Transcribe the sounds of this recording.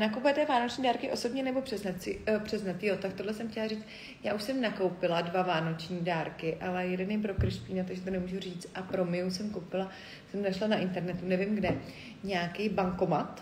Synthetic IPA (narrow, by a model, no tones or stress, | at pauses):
nakowpujɛt̪ɛvaːnot͡ʃɲiːdaːɾkɪʔo̞so̞bɲɛnɛbo̞pr̥ɛpr̥ɛznat̪jot̪akt̪odlɛsɛmxcɛlariːt͡st̪ | jaːuʃsɛmnako̞wpɪladvavaːno̞t͡ʃɲiːdaːɾkɪʔalɛjɛdɛnɛjpɾokɾɪʃpiːnat̪oɡʒɛt̪onɛmuːʒuriːt͡st̪ʔapɾomɪusɛmkowpɪla | sɛmnaʃlanaʔɪnt̪ɛɾnɛt̪unɛvɪmɡdɛ | ɲaːkijbaŋko̞mat̪